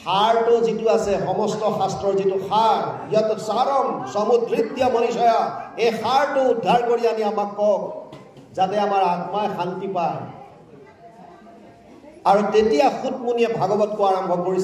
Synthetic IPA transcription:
xaɹtʊzituasɛxɔmɔstɔxastɹɔɹzitʊxaɹijatʊsaɹɔmsɔmud̪ɹid̪jɔmɔnisɔjaejxaɹtʊudʱːaɹkoɹianiamakːɔk | zatɛamaɹaɡmajxaltipaj | aɹutetijaxut̚muniɛbʱaɡɔbɔtkʊaɹɔmbʱɔkoɹis

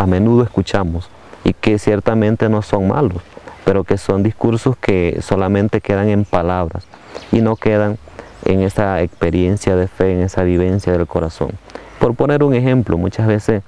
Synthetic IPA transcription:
ame̞nuðoeskut͡ʃamos | ḭkesjeɾt̪amẽnt̪e̞no̞so̞ŋma̰lospeɾoke̞so̞nd̪iskuɾsoskʰesolamẽ̞nt̪e̞ke̞ðaŋe̞mpalaβɾa̰s | inoke̞ðaŋ | ḛŋe̞saekspeɾje̞nsjaðefeːŋe̞saβiβe̞nsjaðe̞lko̞ɾaso̞̰ŋ | po̞ɾpo̞ne̞ɾuŋexe̞mplomut͡ʃazβe̞ses

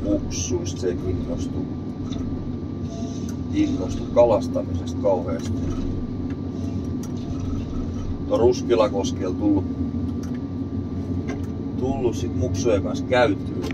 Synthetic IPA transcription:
muksust̪sekinːost̪u | kinːost̪ukkɑlɑst̪ɑmisest̪̚kɑuheɑst̪i | ut̪oruskilɑkoskelt̪ulːu | t̪ulːussit̪muksujekɑnskæyt̪ːy

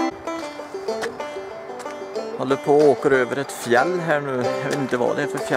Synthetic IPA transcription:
hɔld̪əpʰoːoːkəɾøːvəɾɛt̪fjɛlːɦæːɳʉ̟ːɑɪnt̪əvɑ̰ːd̪ɛfœɾfjɛ

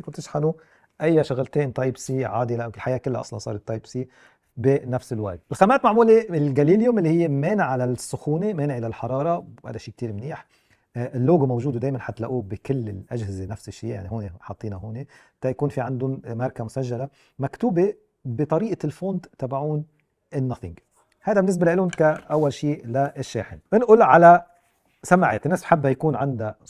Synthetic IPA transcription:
kʊnt̪ːɪʃħalu | ʔajːaʃaɣlt̪eːnt̪ˤɑjbsiːʕaːd̪ilaʔɪlħajaːkɪlːaʔɑ̰sˤlɑnsˤɑːɾɪt̪ˤːɑjbsiː | bɪnafsɪlwat̪̚ʔɪlxamaːt̪maʕmuːleɪlɡaliːljʊmʔɪlːihɪjːemeːnɪʕalasːʊxuːnemeːnɪʕɪlalħɑɾˤɑːɾˤɑha̰d̪aʃiːk̚t̪iːɾmniːħ | ɪlːoːɡmowʒuːd̪ud̪eːjmanħat̪la̰ʔuːbɪkɪlːɪlʔaʒhɪzenafsɪʃːiːja̰ʕniɦoːneħɑt̪ˤːiːnaɦoːne | t̪ːajakuːnfiʕand̪ʊnmɑɾˤkamʊsaʒːala | makt̪uːbe | bɪt̪ˤɑɾiːʔalfoːnt̪t̪ːabaʕuːn | ɪnːɑθɪ̰ŋɡ | hajd̪abɪnːɪs̬balaʔɪlːʊnkaʔawːalʃiːlaʔɪʃːḛːħɪ̰nʔɪnʔʊlʕala | samaʕḛːt̪ɪnːeːsbħabːajakuːnʕand̪a

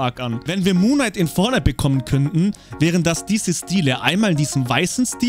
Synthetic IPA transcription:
akanvɛnviːɐmuːnaɪtɪnfɔɐnəbəkʰɔmənkʰœntn̩ | vɛːʁ̞əndasd̥iːzəstiːləʔa̰ɪnmaːlɪndiːzəmvaɪsn̩stiː

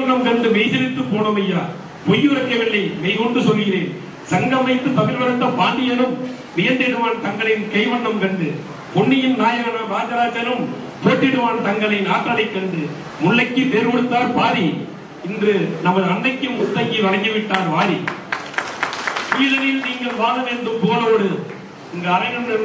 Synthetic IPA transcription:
ɐɳːɐmkɐɳɖɯmɛɪsɛlɪt̪ːɯpːoːnɐmɪjaː | pɔjɯɾɐkːɐʋɐɭːɐɪmɛɪkɔɳɖɯsɔlːɯɣɪɾeːn | sɐŋɡɐmɐɪt̪ːɯp̪ɐɣɪɾʋɐɾɐɳɖɐpaːɳɖɪjɐnɯm | ʋɪjɐnd̪ɪɽɯʋaːnt̪ɐŋɡɐɭɐɪnkɐɪʋɐɳːɐmkɐɳɖɯ | pɔɳːɪjɪmnaːjɐɣɐnɐɾaːd͡ʒɐɾaːd͡ʒɐlɯm | pʊɾɐʈ̪ːɪɽɯʋaːnt̪ɐŋɡɐɭɐɪnaːʈːɐlɐɪkːɐɳɖɯ | mʊɭːɐɪkːɯp̪eːɾkɔɽɯt̪ːaːɾpaːɾi | ɪndrɯnɐmɐðɯɐɳːɐɪkːɯmʊt̪ːɐŋɡiʋɐɽɐŋɡɯʋɪʈːaːɾʋaːɾi | pujðɐnɪlniːŋɡɐɭʋaːðɐneːnd̪ɯmpoːlɐoːɽɯ | ɪŋɡɐːɾɐɪɣɐnɯ

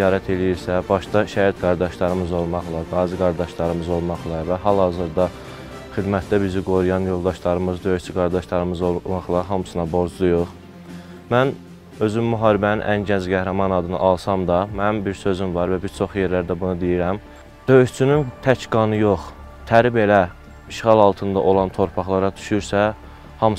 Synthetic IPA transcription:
ijɑːɾæt̪ʰe̞lijiɾsæbɑʃd̪ɑʃæjæt̪ɡɑɾd̪ɑʃlˠɑɾɯmɯzo̞lˠmɑχlˠɑɡɑːziɡɑɾd̪ɑʃlˠɑɾɯmɯzo̞lˠmɑχlˠɑvæɦɑlˠhɑzɯɾd̪ɑ | χid̪mæt̪d̪æbiziɡo̞ɾujɑnjo̞lˠd̪ɑʃlˠɑɾɯmɯzd̪ø̞jyʃt͡ʃʰyɡɑɾd̪ɑʃlˠɑɾɯmɯzomɑχlˠɑɦɑmɯsɯnɑbo̞ɾd͡ʒlˠujuχ | mæn | ø̞zymːyɦɑːɾibæninʔænɟænzɡæhɾɑmɑnɑd̪ɯnɯ̰ʔɑlˠsɑmd̪ɑmænbiɾsø̞zymvɑɾvæbiɾt͡ʃʰo̞χje̞ɾlæɾd̪æbunɯd̪ijiɾæm | d̪̥ø̞jyʃt͡ʃʰynynt̪ʰæcɡɑnɯjo̞χ | t̪ʰæɾibe̞læ | iʃχɑlˠɑlˠt̪ʰɯnd̪ɑʔo̞lˠɑnt̪ʰo̞ɾpʰɑχlˠɑɾɑd̪ʰy̥ʃuɾsæ | hɑm

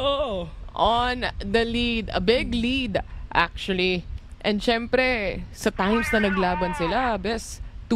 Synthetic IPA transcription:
ʔoʔond̪ɐlid̪ɐ̰bɪɡlid̪ʔa̰k̚t͡ʃʊɐliʔɛ̃nd̪ʃɛmpɾɛsɐt̪ãjmsnɐnɐɡlaːbɐnsɪlabɛst̪

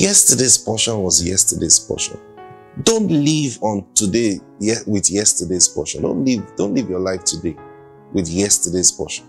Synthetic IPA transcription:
jɛstədez̥pʰɔʃɔ̃nwɔzjɛstədez̥pʰɔ̰ʃɔ̰̃n | dõntlivɔ̃ntʰude | ɛwɪðjɛstədez̥pʰɔ̰ʃɔ̃ndõ̰nlivd̥õntlivjɔlaɪftʰude | wɪðjɛstədez̥pʰɔ̰ʃɔ̃n

